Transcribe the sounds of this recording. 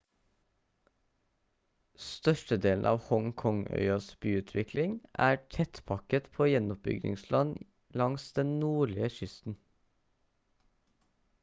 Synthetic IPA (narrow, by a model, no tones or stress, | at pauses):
st̪œʃʈəd̪eːln̩ʔɑ̰ːʋhɔŋkʰɔŋœ̰ʏɑsbyːʉːt̪ʰʋɪklɪŋʔæːʈʰɛt̪pʰɑkət̪pʰoːjɛnʊp̚bʏ̰ɡnɪ̰ŋslɑn | lɑŋsd̪ɛnnuːɭɪəʃʏst̪n̩